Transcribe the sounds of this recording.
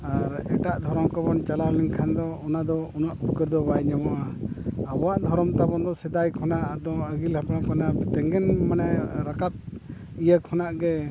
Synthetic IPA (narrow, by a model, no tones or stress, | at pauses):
aɾɛʈaʔd̪ʱɔɾɔmkabɔnt͡ʃalaɾliŋkʰand̪ɔɔnad̪ɔɔnaʔukəɾd̪ɔbajɲawaʔaabɔwaʔd̪ʱɔɾɔmt̪abɔnd̪ɔsɛd̪ajkʰɔnaʔd̪ɔaɡilhapnakʰɔnat̪ɛŋɡɛnmanɛɾakap̚ | ijəkʰɔnaʔɡɛ